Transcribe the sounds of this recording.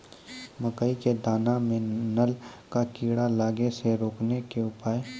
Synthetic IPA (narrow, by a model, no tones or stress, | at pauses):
məkəiked̪aːnamẽnəlkakiːɽalaːɡeseɾoːknekeʊpaːe